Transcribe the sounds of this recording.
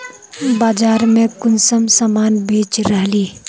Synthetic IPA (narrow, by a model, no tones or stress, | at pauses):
baːd͡ʒaːɾmẽkʊnsəmsaːmaːnbʱeːt͡ʃɾəɦliː